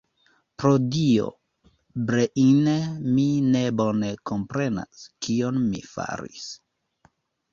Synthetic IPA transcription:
pɾodio̰ | bɾeʔineminebonekompɾe̞na̰skionmḭfa̰ɾḭs

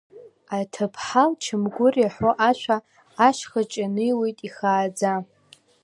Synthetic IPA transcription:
atʰɨpʰħalt͡ʃʰɨmɡʷʊrjaħoʔaʃʷaː | ʃχat͡ʃʼanɨjwejtʼiχaːd͡za

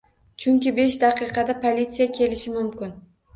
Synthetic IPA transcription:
t͡ʃʰʊŋʲkʲɪbe̞ʃd̪aqɨqʰɑd̪apʰolʲit̪sijakʲʰe̞lɪʃɪmʊmkʲɪn

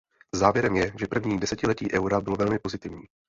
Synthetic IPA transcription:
zaːvjɛɾɛmjɛʒɛpr̩vɲiːdɛsɛcɪlɛc̪iːʔɛwɾabɪlovɛlmɪpo̞zɪt̪ɪvɲiː

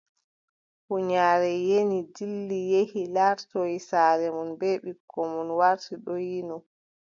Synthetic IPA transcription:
huɲaːɾɛjenidilːijehilaɾtɔjisaːlɛmɔnbɛɓikʰːɔmɔnwaɾtiɗɔjinɔ

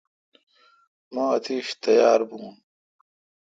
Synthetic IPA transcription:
maɐt̪ʰiːɕt̪ɐjaːɾbuːn

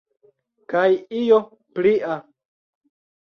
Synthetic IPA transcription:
kajijo | pliʔa

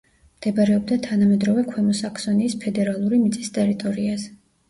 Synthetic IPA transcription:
md̪̥ɛbaɾɛɔb̚d̪at̪ʰanamɛd̪ɾɔvɛkʰwɛmɔsakʰsɔniːspʰɛd̪ɛɾalˠuɾimit̪sʼist̪ʼɛɾit̪ʼɔɾiazɛ

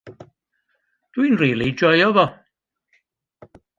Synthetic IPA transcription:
d̥winriːlˠid͡ʒɔjɔvɔ

